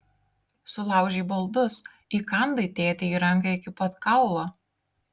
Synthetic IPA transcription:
sʊlˠɑˑʊʒʲeːbɐlˠd̪ʊs | ikɑˑnd̪ɐɪt̪ʲeːt̪ʲɛiːɾɐŋˑkɐɪkʲɪpɐt̪kɑˑʊlˠoː

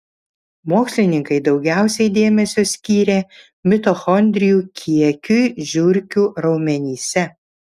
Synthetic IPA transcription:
moːksʲlʲɪnʲɪŋkɐɪd̪ɒʊɡʲæˑʊsʲɛɪd̪ʲeːmʲɛsʲoːsʲkʲiːɾʲeː | mʲɪt̪oxɔnʲd̪ʲɾʲɪjuːkʲʰiɛkʲujʒʲʊɾʲkʲuːɾɒʊmʲɛnʲiːsʲɛ

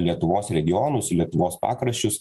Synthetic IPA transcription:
lʲiɛt̪ʊʋoːsɾʲɛɡʲɪjɔːnʊslʲiɛt̪ʊʋoːspɑ̰ːkɾɐʃʲt͡ʃʲʊs

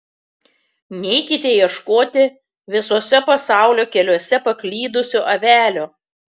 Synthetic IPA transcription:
nʲɛɪkʲɪt̪ʲejiɛʃkoːt̪ʲɪ | ʋʲɪsoːsʲɛpɐsɑˑʊlʲoːkʲɛlʲoɔsʲɛpɐklʲiːd̪ʊsʲʊʔɐʋʲæːlʲo

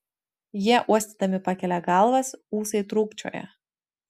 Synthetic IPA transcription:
jiɛʔuɔsʲt̪ʲid̪ɐmʲɪpɑkʲɛlʲɛɡɑˑlˠʋɐsuːsɐɪt̪ɾuːkt͡ʃʲo̰ːjɛ̰

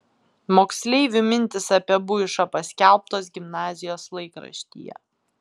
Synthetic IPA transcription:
moːksʲlʲɛɪʋʲɪmʲɪnʲt̪ʲɪsɐpʲɛbʊɪʃɐpɐsʲkʲælˠp̚t̪oːs̬ɡʲɪmnɑːzʲɪjoːslˠɐɪkɾɐ̰ʃʲt̪ʲḭːjɛ̰

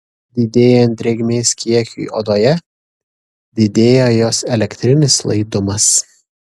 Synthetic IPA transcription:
d̪ʲɪd̪ʲeːjoɛnʲt̪ʲɾʲɛɡʲmʲeːskʲiɛkʲṵḭʔoːd̪oːjɛ | d̪ʲɪd̪ʲeːjoːjoːsɛlʲɛkʲt̪ʲɾʲɪnʲɪslˠɐ̰ɪd̪ʊmɐs

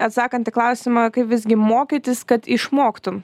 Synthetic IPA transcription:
ɐt̪sɑːkɐnt̪ʲɪklˠɐʊsʲɪmɐkɐɪpʋʲɪzʲɡʲɪmoːkʲɪt̪ʲɪskɐt̪ɪʃmoːkt̪ʊm

